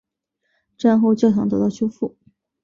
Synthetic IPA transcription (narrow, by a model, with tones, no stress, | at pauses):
ʈ͡ʂa˥˧nxo˥˧ʊt͡ɕjɑ˥˩ʈ͡ʂʰɑ˧˥ŋt̪ɤ˧˥t̪ɑ˥˩ʊɕʰjo˥ʊfu˥˩